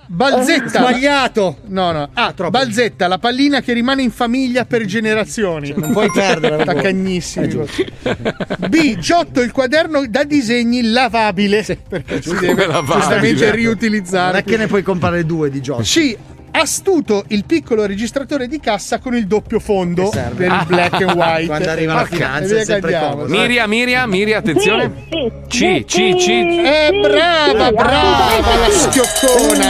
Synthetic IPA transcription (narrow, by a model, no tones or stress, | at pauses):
bald̪zet̪ːabaʎːaːt̪onɔnɔabald̪zet̪ːalapalːiːnakerːimaːneiɱfamiʎːaperd͡ʒeneɾat̪sːjoːninmpɔjɛrd̪ɾet̪akaɲːisːim | bid͡ʒɔt̪ːoilkwad̪ɛrnod̪ad̪izeɲːilavaːbilepeket͡ʃid̪lavad͡ʒust̪ament̪eriut̪ilid̪zːaːɾekːenepwɔjkompɾaɾed̪uːed̪id͡ʒɔt͡ʃi | ast̪uːt̪oʔilpikːoloɾed͡ʒist̪ɾat̪oːɾed̪ikasːakonild̪opːjofond̪oɛ̰peɾilbllɛkːwajtwad̪oaːivafiaviak̪ːadpjaːmomiɾjamiːɾjamiːɾjaːt̪ːensjoːne | t͡ʃit͡ʃit͡ʃiɛbɾavabɾaːvvalaskjokʰːoːna